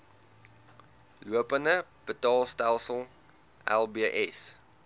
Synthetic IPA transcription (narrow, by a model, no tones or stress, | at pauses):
luəpənəb̥ətɑːlˠstælˠsəlˠ | ʔɛ̰lˠbiəʔɛs